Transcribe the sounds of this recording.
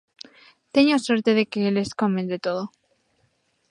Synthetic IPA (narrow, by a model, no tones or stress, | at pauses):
t̪eɲosweɾt̪eðekeleskomend̪et̪oðo